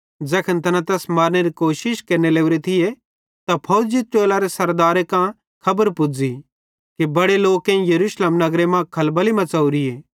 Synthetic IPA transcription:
d͡ʒɛːkʰənt̪ʰɐnãt̪ɛːsmaːɾneɾikoːʃɪʃkɐɾneleːuɾet̪ʰɪje | t̪apʰɐʊd͡ʒit͡ʃeːlaɾesɐɾd̪aːɾekã | kʰɐbəɾpʊd͡zi | kibɐɽeloːkːẽĩjɐɾuːsleːmnɐɡɾemãkʰɐlbəlimɐ̃t͡sɐːuɾieː

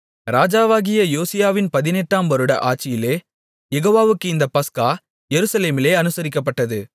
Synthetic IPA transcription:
ɾaːd͡ʒaːʋaːɣɪjɐjoːsɪjaːʋɪnpɐðɪnɛʈːaːmʋɐɾɯɽɐ̰ʔaːʈ̚t͡ʃːɪjɪleː | jɛɣoːʋaːʋɯkːɯɪnd̪ɐpɐskaː | jɛɾɯsɐleːmɪleːɐnɯsɐɾɪkːɐp̬ːɐʈːɐðɯ

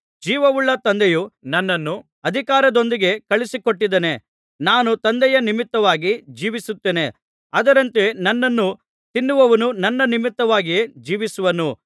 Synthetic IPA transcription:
d͡ʒiːʋɐʋuɭːɐt̪ɐnd̪ejunɐnːɐnːu | ɐd̪ʱikaːɾɐd̪o̞nd̪iɡe̞kɐɭisiko̞ʈːid̪ene̞ | naːnut̪ɐnd̪ɛjɐnimit̪ːɐʋaːɡid͡ʒiːʋisut̪ːeːne̞ | ɐd̪ɐɾɐnt̪e̞nɐnːɐnːu | t̪inːuʋɐʋɐnunɐnːɐnimit̪ːɐʋaːɡijed͡ʒiːʋisuʋɐnu

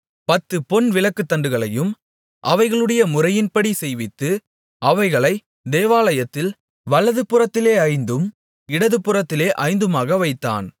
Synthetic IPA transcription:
pɐt̪ːɯpɔnʋɪɭɐkːɯt̪ːɐɳɖɯɣɐɭɐjɯm | ʔɐʋɐɪɣɐɭɯɽɐjɐmʊrɐjɪnpɐɽisɛjʋɪt̪ːɯ | ʔɐʋɐɪɣɐɭɐɪ | d̪eːʋaːlɐjɐt̪ːɪl | ʋɐɭɐðɯpːɯrɐt̪ːɪleːɐɪnd̪ɯm | ɪɽɐðɯpːɯrɐt̪ːɪleːʔɐɪnd̪ɯmaːɣɐʋɐɪt̪ːa̰ːn

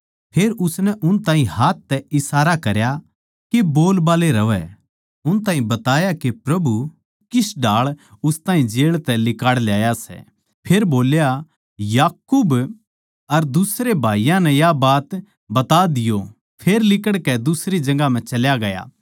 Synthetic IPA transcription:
pʰeːɾʊsnɛʔʊnt̪aːɦĩhaːt̪̚ʰːɛɪsaːɾakɐɾja | keboːlbaːleɾɐʋɛ̰ | ʊnt̪ãːɦĩbɐt̪aːjakepɾɐbu | kɪsɖaːɭʊst̪aːɦĩd͡ʒeːɭt̪ɛlɪkaːɽljaːjasɛ̰ | pʰeːɾboːlja | jaːkuːb | ɐɾd̪ʊsɾebʱaːijãnɛ̃jabaːt̪ | bɐt̪ad̪ɪjo | pʰeːɾlɪkəɽkɛd̪ʊsɾid͡ʒɐ̃ɡam̤ɛ̃t͡ʃɐljaɡɐja̰ː

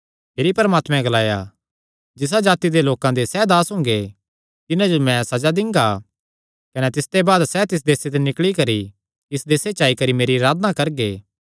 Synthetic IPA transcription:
meːɾipɐɾmaːt̪mɛ̃ɡɐlaːja̰ | d͡ʒɪs̬ad͡ʒaːt̪id̪eloːkãd̪esɛːd̪aːsɦʊ̃ːŋ̆ɡe | t̪ɪnãd͡ʒomɛ̃sɐd͡ʒad̪ɪ̃ŋɡa | kɐnɛt̪ɪst̪ebaːd̪sɛt̪ɪs̬d̪eːset̪enɪkɭikɐɾi | ɪsd̪eːset͡ʃaːikɐɾimeːɾiɾaːd̪ənakɐɾɡeː

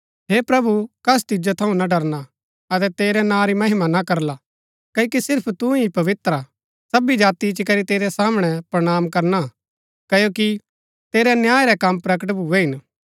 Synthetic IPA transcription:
ɦepɾɐbukɐs̬t̪ɪd͡ʒot̪ʰɐũnaɖɐɾna | ɐt̪̬ɛt̪eːɾɛnãɾimɐɦɪmanakɐɾla | kɐokisɪɾpʰt̪ũipɐʋɪt̪ɾa | sɐbid͡ʒaːt̪it͡ʃikɐɾit̪eːɾɛsaːmɽ̃ɛpɾɐɽ̃aːmkɐɾna | kɐjoːki | t̪eːɾɛnjaːeɾɛkɐmːpɾɐkəʈ̬bʱuɛɦɪn

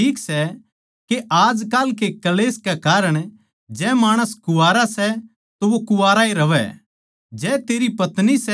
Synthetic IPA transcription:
iːksɛ | keʔaːd͡ʒkaːlk̬ekɐleːskɛkaːɾəɽ̃ | d͡ʒɛmaːɽ̃əskʊaːɾasɛ | t̪oʋokʊʋaːɾaiɾɐʋɛ̰ | d͡ʒɛːt̪eːɾipɐt̪nisɛ

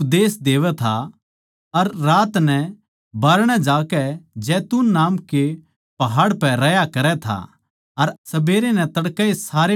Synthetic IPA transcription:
pd̪eːsd̪eːʋɛt̪ʰa | ɐɾːaːt̪nɛ̃ | baːɾɽ̃ɛd͡ʒaːkɛd͡ʒɛːt̪unːaːmke | pɐɦaːɽpɛɾɐjakɐɾɛt̪ʰa̰ | ɐɾsɐbeːɾenɛ̃t̪ɐɽkɛesaːɾe

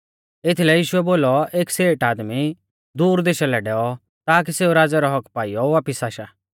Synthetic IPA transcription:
ɪt̪ʰlɛjiːʃʊɛboːlɔʔeːkseːʈaːd̪mi | d̪uːɾd̪eːʃalɛɖɛːɔ | t̪aːk̬iseːuɾaːd͡zɛɾɔɦɔkpaːijɔʋaːpɪsaːʃaː

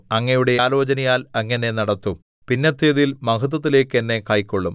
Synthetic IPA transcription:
ɐŋːɐjuɽe̞jaːlo̞ːt͡ɕɐnɐjaːlɐŋːɐne̞nɐɽɐt̪ːum | pinːɐt̪ːeːðijilmɐkɐt̪̬ːɐt̪ːile̞ːkːenːe̞kaːjikʲːoɭːum

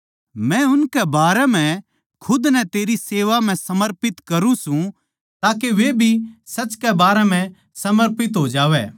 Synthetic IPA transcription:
mɛ̃ʊnkɛbaːɾɛm̤ɛ̃ | kʰʊd̪nɛt̪eːɾiseːʋam̤ɛ̃sɐməɾpɪt̪kɐɾũsũ | t̪aːkeʋebʱisɐt͡ʃkɛbaːɾɛm̤ɛ̃ | sɐməɾpɪt̪ɦoːd͡ʒaːʋɛː

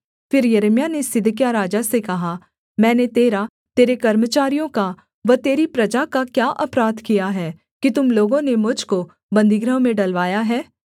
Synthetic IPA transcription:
fɪɾjɐɾmijanesɪd̪ʱk̬jaɾaːd͡ʒasekɐɦa | mɛ̃ːnet̪eːɾa | t̪eːɾekɐɾmət͡ʃaːɾijõka | ʋɐt̪eːɾipɾɐd͡ʒakakjaːʔɐpɾaːd̪kijaɦɛː | kit̪ʊmloːɡõnemʊd͡ʒʱko | bɐ̃nd̪ʱiɡɾəɦmẽɖɐlʋaːjaɦɛː

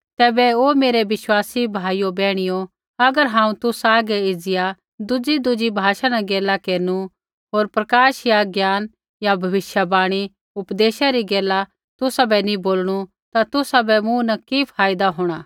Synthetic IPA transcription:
t̪ɛːbɛoːmeːɾeʋɪʃwaːsibʱaːijobɛːɽ̃ɪjo | ɐɡəɾɦãːũt̪ʊsaːɡɛɪd͡zɪja | d̪ʊd͡ʒid̪ʊd͡ʒibʱaːʃanɐɡeːlakeːɾnu | ɦoːɾpɾɐkaːʃjaɡjaːn | jabʱɐʋɪʃjabaːɽ̃i | ʊpd̪eːʃaɾiɡeːla | t̪ʊsabɛnĩboːlɽ̃u | t̪at̪ʊsabɛmũnɐkipʰaːjɪd̪aɦoːɽ̃aː

